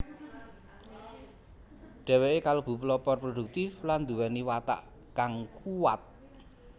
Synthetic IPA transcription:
ɖ̥ɛ̤weʔekalob̥ṳplɔpɔrprodṳk̚t̪ɪfland̪uwɛniwat̪a̰ʔ | kaŋkuwat̪̚

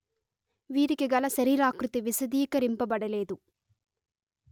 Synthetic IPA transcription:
ʋiːɾikiɡɐlɐʃɐɾiːɾaːkɾut̪iʋisɐd̪iːkɐɾimpɐbɐɽɐleːd̪u

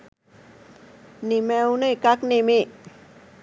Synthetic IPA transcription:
nimɛwnəkak̚nimi

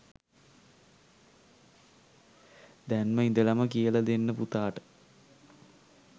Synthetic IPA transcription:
d̪ænməind̪əlɐməkijəlad̪enːəput̪aːʈə̥

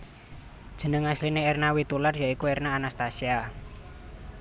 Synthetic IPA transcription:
d̥ʒ̥ə̤nəŋaslineernawit̪ularjaikuernaːnast̪asia

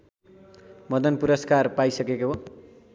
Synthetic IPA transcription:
mʌd̪ʌnpuɾʌskarpajsʌkekoɦo

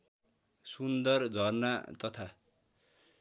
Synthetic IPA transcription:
sund̪ʌrd͡zʱʌrnat̪ʌt̪ʰa

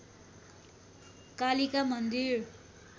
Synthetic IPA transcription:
kalikamʌnd̪ir

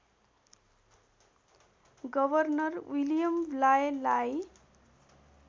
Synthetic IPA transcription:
ɡʌbʱʌrnʌrwilijʌmblajelaj

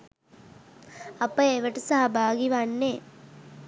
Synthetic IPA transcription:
ɐpːɐjeʋɐʈɐsaɦɐbʱaːɡiʋanːeː

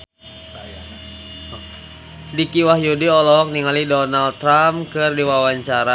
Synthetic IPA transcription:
dikiwahjudiɔlɔk̚niŋalidɔnalt̪ːɾamkɨrdiwawaɲt͡ʃaɾa

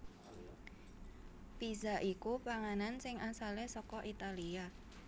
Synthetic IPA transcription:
pizaʔikupaŋanansɪŋasalesɔkɔʔit̪alia

